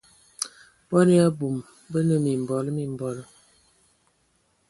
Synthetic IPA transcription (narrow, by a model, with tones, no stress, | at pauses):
bɔ˦ni˦a˦bu˨m | bə˦nə˦˨mi˨m˨bɔ˨lə˦mi˨m̩˨bɔ˨lə˦